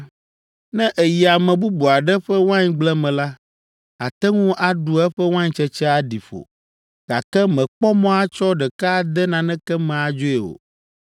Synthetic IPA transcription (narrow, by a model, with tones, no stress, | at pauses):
nɛ̃˦ʔe˨ji˨a˨mɛ̃˨bu˦bu˨a˨ɖɛ˦ɸɛ˦wã˦ɲɡ͡blɛ˦mɛ̃˨la˦ | a˨t̪ɛ˦ŋũ˦ʔa˨ɖu˨ɛ˦ɸɛ˦wã˦ɲ˦t͡ʃɛ˦t͡ʃɛ˦a˦ɖi˨ɸo̰˨ | ɡ̥a˨kɛ˦mɛ̃˨k͡pɔ˦mɔ̃˦a˦t͡ʃɔ˦ɖɛ˨ka˦d̪ɛ˦nã˨nɛ̃˦kɛ˦mɛ̃˨a˨d͡ʒo˦ɛ˨o̰˨